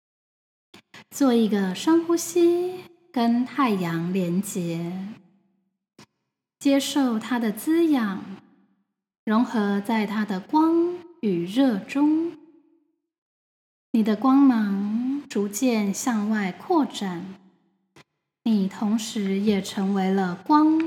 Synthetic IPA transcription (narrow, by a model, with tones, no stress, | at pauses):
t͡swɔ˥˩i˧˥ɡə˧ʂə˥ŋxu˥ɕi˥ | kə˥nt̪ʰa˥˩ɪjɑ˧˥ŋljɛ˧˥nt͡ɕjɛ˧˥ | t͡ɕjɛ˥ʂo˥˩ʊt̪ʰa˥d̪ə˨t͡sɹ̩˥jɑ˨˩ŋ | ɻʊ˧˥ŋxɤ˧˥t͡sa˥˩ɪt̪ʰa˥d̪ə˨kwɑ˥ŋy˨˩ɻɤ˥˩ʈ͡ʂʊ˥ŋ | ni˨˩d̪ə˦kwɑ˥ŋmɑ˧˥ŋʈ͡ʂu˧˥t͡ɕjɛ˥˧nɕjɑ˥˧ŋwa˥˧ɪkʰwɔ˥˩ʈ͡ʂa˥˩n | ni˨˩t̪ʰʊ˧˥ŋʂɻ̩˧˥jɛ˨˩ʈ͡ʂʰɤ˧˥ŋwe˧˥ɪlə˧kwɑ˥ŋ